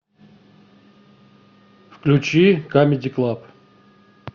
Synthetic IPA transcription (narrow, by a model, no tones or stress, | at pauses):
fklʲut͡ɕikamʲɪd̪ʲiklˠap